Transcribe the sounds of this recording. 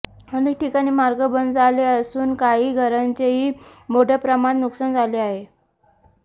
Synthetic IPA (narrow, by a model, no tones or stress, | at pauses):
m̤ənd̪uʈikaɽ̃iːmaɾɡəbənd̪d͡zʱaleəsuːnkaɦiːɡʱəɾaɲt͡ɕeɦiːmoɖʱəpɾəmanːuksand͡zʱaleaɦe